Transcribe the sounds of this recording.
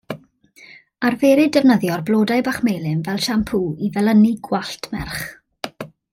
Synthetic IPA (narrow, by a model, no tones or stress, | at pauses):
arveːɾɨdɛvnəðjɔrblˠoːdajbaχmejlˠɨmvɛlˠʃampʰuivɛlˠəniɡwaɬtʰmɛrχ